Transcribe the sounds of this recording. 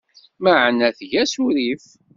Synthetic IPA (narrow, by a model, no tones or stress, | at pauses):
məʕnæθʝæsuɾif